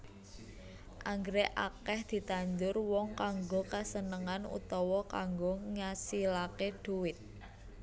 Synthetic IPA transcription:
ʔaŋɡɾeʔakɛhd̪̥i̤t̪aɲd͡ʒʊrwɔŋkaŋɡokasənəŋanṵt̪ɔwɔka̰ŋɡoŋasilakeɖ̥uwɪt̪̚

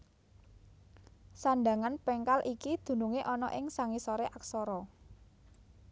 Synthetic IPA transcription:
saɳɖaŋanpɛŋkalʔikid̪̥ṳnuŋeʔɔnɔ̰ʔɪŋsaŋisɔɾeʔaksɔɾɔ

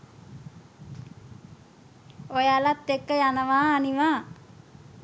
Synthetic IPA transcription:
ojalat̪ːekːəjanəʋaːniʋaː

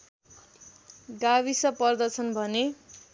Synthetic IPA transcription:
ɡaβisʌpʌrd̪ʌt͡sʰʌnbʱʌne

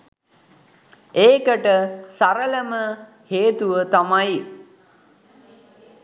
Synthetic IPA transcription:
eːkəʈəsaɾələmə | heːt̪uʋət̪amaj

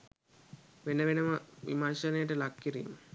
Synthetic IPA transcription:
ʋenəʋenəməʋḭmansənəjəʈəlakːiɾḭːmə

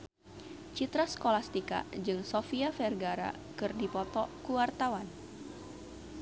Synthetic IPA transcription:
t͡ʃit̪ɾaskolast̪ika̰d͡ʒɨŋsofiafɛrɡaɾa̰ | kɨrdipɔt̪ɔkuwart̪awan

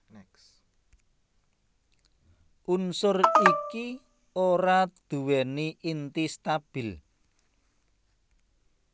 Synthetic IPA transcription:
ʔunsʊriki | oɾad̪̥ṳwɛniint̪ist̪ab̥i̤l

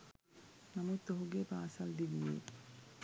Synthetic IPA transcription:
namut̪ːoɦoɡepaːsald̪ibːḛ

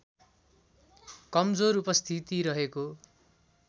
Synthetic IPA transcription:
kʌmd͡zoɾupʌst̪ʰit̪iɾʌɦeko

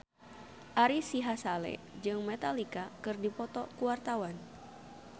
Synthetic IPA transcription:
ʔaɾisiɦasalɛ̰d͡ʒɨŋmɛt̪alikakɨrdipɔt̪ɔkuwart̪awan

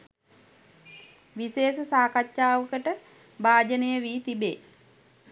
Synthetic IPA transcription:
ʋiseːsəsaːkat͡ʃːaːʋəkəʈə | baːd͡ʒənəjəʋiːt̪ibḛː

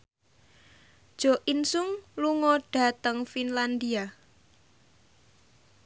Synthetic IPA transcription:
d̥ʒ̥o̤ʔinsʊŋluŋɔɖ̥a̤t̪əŋfinland̪ia

